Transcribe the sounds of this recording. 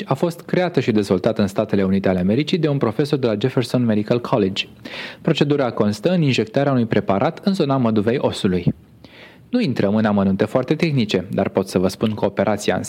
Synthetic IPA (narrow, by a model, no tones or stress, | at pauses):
afo̞st̪kɾe̞at̪əʃid̪e̞zvo̞lt̪at̪ɨnst̪at̪e̞le̞unit̪e̞ale̞ame̞ɾit͡ʃid̪e̞unpɾo̞fe̞so̞rd̪e̞lad͡ʒeferso̞nmed̪ikəlkʰoled͡ʒʲpɾo̞t͡ʃe̞d̪uɾako̞nst̪əɨninʒe̞k̚t̪aɾeaunujpɾe̞paɾʔat̪ɨnzo̞naməd̪uve̞jʔo̞suluj | nuint̪ɾəmɨnamənũnt̪e̞foart̪e̞t̪e̞xnit͡ʃe̞d̪a̰rpo̞t̪səvəspunkʰo̞ːpe̞ɾʔat̪sia̰ns